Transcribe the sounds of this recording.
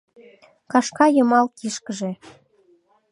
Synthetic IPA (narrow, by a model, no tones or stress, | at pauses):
kɑʃkɑjəmɑlkiʃkəʒe